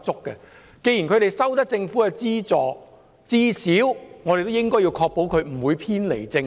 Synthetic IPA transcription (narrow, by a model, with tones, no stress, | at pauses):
t͡sʊ˥kːɛ˧ | ke˧ji˨˩nkʰɵ˨˧ɥt̪e˨jsɐ˥wt̪ɐ˥k̚t͡sɪ˧ŋfuː˨˥kɛ˧t͡siː˥t͡sɔː˨˩ | t͡siː˥si˨˥wŋɔ˨˧te˨jt̪o˥wɪ˥ŋkɔː˥ji˧wkʰɔː˧k̚po˨˥wkʰɵ˨˧ɥm̩˨˩wuː˨˧jpʰiː˥nlḛ˨˩jt͡sɪ˧ŋ